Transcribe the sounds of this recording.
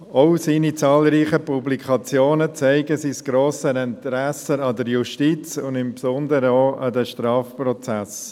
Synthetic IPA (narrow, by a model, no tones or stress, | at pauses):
ɔʊsiːnit͡sɑːlriːχəpublikʰɑt͡sjoːnət͡sɛɪɡəsisɡ̥ɾoːsənɛntɾɛsəɑd̪əɾjuʃtit͡sʊnd̪ɪmpsɔnd̪əɾəoʔɑd̪ɛʃtɾɑːfprɔt͡sæs